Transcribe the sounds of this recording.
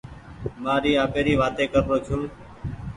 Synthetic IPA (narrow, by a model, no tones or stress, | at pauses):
maːɾiːaːpeːɾiːʋaːt̪eːkəɾɾoːt͡ʃʰũː